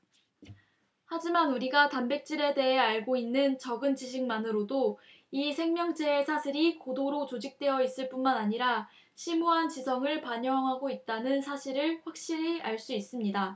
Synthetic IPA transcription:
had͡ʑimanuɾiɡatambe̞k̚t͡ɕ͈iɾe̞de̞ɦe̞aɭɡoinːɯnt͡ɕʌɡɯnt͡ɕiɕʰiŋmanɯɾodo | isʰe̞ŋmjʌŋd͡ʑeːsʰaɕʰiɾikodoɾot͡ɕod͡ʑik̚t͈we̞ʌis͈ɯɭp͈unmanaɲiɾa | ɕʰimuɦant͡ɕisʰʌŋɯɭpaɲʌŋɦaɡoit̚t͈anɯnsʰaɕʰiɾɯɭɸwak̚ɕ͈iɾiaɭs͈uis͈ɯmɲida

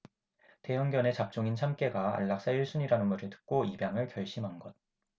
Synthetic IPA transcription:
te̞ɦʌŋɡjʌne̞t͡ɕap̚t͡ɕ͈oŋint͡ɕʰamk͈e̞ɡaa̰ɭːak̚s͈ajiɭs͈ʰuɲiɾanɯnmuɾʰitɯ̥k̚k͈oibjaŋɯɭkjʌɭɕ͈imɦanɡʌt̚

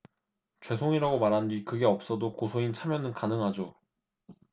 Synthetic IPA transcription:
t͡ɕwe̞sʰoŋiɾaɡomaɾɦandɥikɯɡe̞ʌp̚s͈ʌdokosʰoint͡ɕʰamjʌnɯnkanɯŋɦad͡ʑo

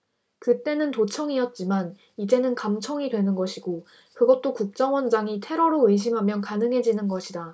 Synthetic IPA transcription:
kɯt͈e̞nɯntot͡ɕʰʌŋiʌt̚t͡ɕ͈iman | id͡ʑe̞nɯnkamt͡ɕʰʌŋidwe̞nɯnɡʌɕʰiɡo | kɯɡʌt̚t͈okuk̚t͡ɕ͈ʌŋwʌnd͡ʑaŋitʰe̞ɾʌɾoɯɕ̬ʰimɦamjʌnkanɯŋɦe̞d͡ʑinɯnɡʌɕʰida

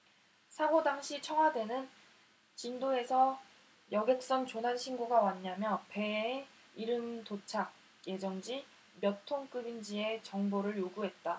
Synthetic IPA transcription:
sʰaɡodaŋɕʰit͡ɕʰʌŋɦwadwe̞nɯn | t͡ɕindoe̞sʰʌ | jʌɡek̚s͈ʌŋt͡ɕonanɕʰinɡoɡawaɲːamjʌpe̞ | iɾɯmtot͡ɕʰak̚ | je̞d͡ʑʌŋd͡ʑi | mjʌtʰoŋk͈ɯbind͡ʑie̞t͡ɕʌŋboɾɯɭjoɡuɦe̞t̚t͈a

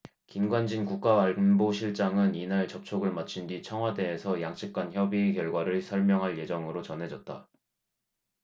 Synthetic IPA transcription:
kinɡwand͡ʑinkuk̚k͈aaɭnboɕʰiɭt͡ɕ͈aŋɯninaɭt͡ɕʌp̚t͡ɕʰoɡɯɭmat͡ɕʰindwit͡ɕʰʌŋɦwade̞ːsʰʌjaŋt͡ɕ͈ʰik̚k͈ançjʌbikjʌɭɡwaɾɯɭsʰʌɭmjʌŋɦaɭje̞d͡ʑʌŋɯɾot͡ɕʌnɦe̞d͡ʑʌt̚t͈a

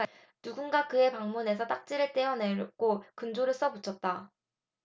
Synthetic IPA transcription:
nuɡunɡakɯe̞paŋmune̞sʰʌt͈ak̚t͡ɕ͈iɾɯɭt͈eʌne̞ɭɡokɯnd͡ʑoɾɯɭs͈ʌbut͡ɕʰʌt̚t͈a

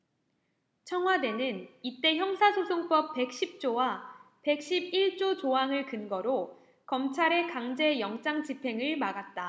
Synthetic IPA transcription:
t͡ɕʰʌŋɦwade̞nɯnit͈e̞çjʌŋsʰasʰosʰoŋp͈ʌp̚p͈ːe̞k̚ɕ͈ip̚t͡ɕ͈owa | pe̞k̚ɕ͈ib̚iɭt͡ɕ͈ot͡ɕoɦaŋɯɭkɯnɡʌɾo | kʌmt͡ɕʰaɾe̞kaŋd͡ʑe̞jʌŋt͡ɕ͈aŋt͡ɕipʰe̞ŋɯɭmaɡat̚t͈a

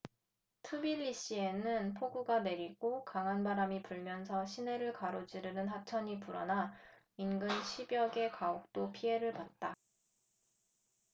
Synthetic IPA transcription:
tʰubiʎːiɕ͈ie̞nɯnpʰoɡuɡane̞ɾiɡokaŋɦanbaɾamipuɭmjʌnsʰʌɕʰine̞ɾɯɭkaɾod͡ʑiɾɯnɯnɦat͡ɕʰʌɲipuɾʌna | inɡɯnɕʰibjʌɡe̞kaok̚t͈opʰie̞ɾɯɭpat̚t͈a

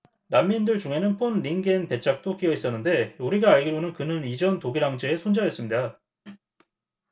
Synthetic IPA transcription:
namːindɯɭt͡ɕuŋe̞nɯnpʰonɾiŋɡe̞npe̞t͡ɕʰak̚t͈okiʌis͈ʌnːɯnde̞uɾiɡaːɭɡiɾonɯnkɯnɯnid͡ʑʌntoɡiɾaŋd͡ʑeesʰond͡ʑaɦes͈ɯmɲida

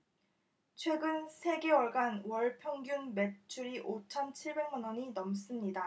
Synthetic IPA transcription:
t͡ɕʰwe̞ɡɯnsʰe̞ɡe̞wʌɭɡanwʌɭpʰjʌŋɡjunme̞t͡ɕʰuɾiʔot͡ɕʰʌnt͡ɕʰiɭbe̞ŋmanʌɲinʌms͈ɯmɲida

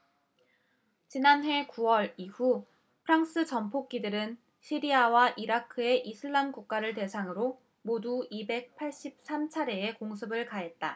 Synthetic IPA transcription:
t͡ɕinanɦe̞kuwʌɾihu | pʰɯɾaŋs͈ɯt͡ɕʌmpʰok̚k͈idɯɾɯn | ɕʰiɾiawaʔiɾakʰɯe̞ʔisʰɯɭːamkuk̚k͈aɾɯɭte̞sʰaŋɯɾo | moduibe̞k̚pʰaɭɕ͈ip̚s͈ʰamt͡ɕʰaɾe̞ːkoŋs̬ʰɯbɯɭkaɦe̞t̚t͈a

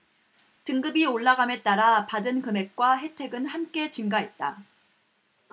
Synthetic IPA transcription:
tɯŋɡɯbioɭːaɡame̞t͈aɾapadɯnkɯme̞k̚k͈waɦe̞tʰe̞ɡɯnhamk͈e̞t͡ɕimɡaɦe̞t̚t͈a

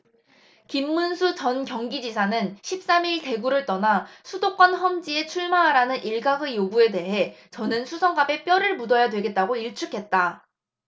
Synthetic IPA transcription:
kimːunsʰut͡ɕʌnkjʌŋɡid͡ʑisʰanɯnɕʰip̚s͈amiɭte̞ɡuɾɯɭt͈ʌnasʰudok͈wʌnɦʌmd͡ʑie̞t͡ɕʰuɭmaɦaɾanɯniɭɡaɡɯjoɡue̞de̞ɦe̞t͡ɕʌnɯnsʰusʰʌŋɡabe̞p͈jʌɾɯɭmudʌjadwe̞ɡe̞t̚t͈aɡoiɭt͡ɕʰukʰe̞t̚t͈a

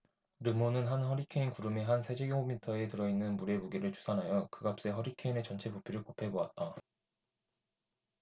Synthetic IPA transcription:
ɾɯmonɯnɦanɦʌɾikʰeinkuɾɯmeɦansʰed͡ʑeɡjoŋomitʰʌe̞tɯɾʌinːɯnmuɾe̞muɡeɾɯɭt͡ɕu̥sʰanɦajʌkɯɡap̚s͈e̞ɦʌɾikʰe̞ine̞t͡ɕʌnt͡ɕʰe̞bopʰiɾɯɭkopʰe̞boat̚t͈a

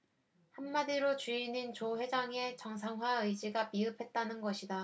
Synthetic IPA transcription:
hamːadiɾot͡ɕuinint͡ɕoɸwe̞d͡ʑaŋe̞t͡ɕʌŋs̬ʰaŋɦwaɯjd͡ʑiɡapiɯpʰe̞t̚t͈anɯnɡʌɕʰida

